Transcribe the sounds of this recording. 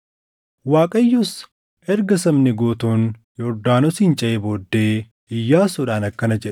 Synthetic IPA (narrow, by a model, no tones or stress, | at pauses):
waːkʼɐjːʊs | ʔɛɾɡɐsɐmnɪɡoːt̪uːn | jɔɾd̪aːnɔsiːnt͡ʃʼɐʔeboːd̪ːe̞ː | ɪjːaːsʊᶑaːnɐkːɐnɐd͡ʒɛᶑ̥